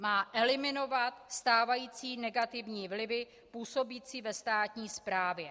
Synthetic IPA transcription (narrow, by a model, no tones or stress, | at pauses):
maːʔɛlɪmɪno̞vat̪st̪aːvajiːt͡siːnɛɡat̪ɪvɲiːvlɪvɪ | puːso̞biːt͡siːvɛst̪aːt̪ɲiːspɾaːvjɛ